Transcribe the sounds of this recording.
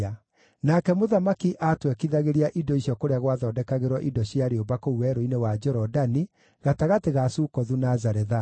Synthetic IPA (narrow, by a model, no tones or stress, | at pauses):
a | nakɛmoðamakiʔatwɛkiðaɣeɾiaʔidɔiɕjɔkoɾeaɣwaðɔːdɛkaɣeɾwɔʔidɔɕjaɾeobakouwɛɾoinewad͡ʒɔɾɔdani | ɣataɣateɣasukɔðunazaɾɛða